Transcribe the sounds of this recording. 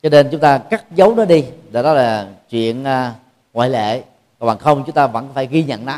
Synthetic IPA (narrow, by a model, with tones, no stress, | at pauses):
t͡ɕɔ˧ne˧nt͡ɕʊ˨˦ŋ͡mt̪aː˧kaː˦˥k̚zə˨˦wnɔ˨˦ɗi˧ɗe˨˩ɗɔ˨˦laː˨˩t͡ɕwḭ˧˨ənː˧ | ŋwa̰ː˧˨jlḛ˧˨ | a˧˨˩ɓaː˨˩xə˧wŋ͡mt͡ɕʊ˨˦ŋ͡mt̪aː˧və̰˧˥nkfaː˧˩jɣi˧ɲə̰˧˨nna˨˦